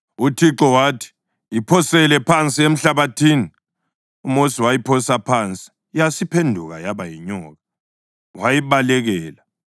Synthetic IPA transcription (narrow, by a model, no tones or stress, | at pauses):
utʰiǁɔwatʰi̥ | ipʰɔsɛlɛpʰant͡sʼiem̩ɬaβatʰiːni | umosiwajipʰɔsapʰant͡sʼi̥ | jasipʰendʱuɣa̰jaβajiɲɔːɣa | wajiβalɛɣɛːla